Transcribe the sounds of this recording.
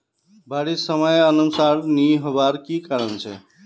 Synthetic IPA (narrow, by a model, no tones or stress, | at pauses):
baɽisəmʌjənusaɾniɦobaɾkikaɾənt͡ʃʰḛ